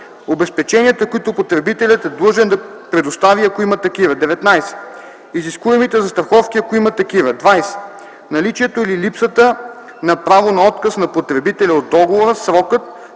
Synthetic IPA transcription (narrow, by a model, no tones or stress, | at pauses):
obɛspɛt͡ʃɛniət̪əkoit̪opot̪ɾɛbit̪ɛlʲɐt̪ɛd̪lˠɤʒɛnd̪ɐpɾɛd̪ost̪aviɐkoimɐt̪ɐkivəd̪ɛvɛt̪najsɛ̥ | iziskuɛmit̪ɛzɐst̪ɾɐxɔfk̟ʲiɐkoimɐt̪ɐkivəd̪vajsɛ̥ | nɐlit͡ʃiɛt̪oililipsət̪ə | nɐpɾavonɐɔt̪kəsnɐpot̪ɾɛbit̪ɛlʲɛod̪ːɔɡovoɾəsɾɔkət̪̚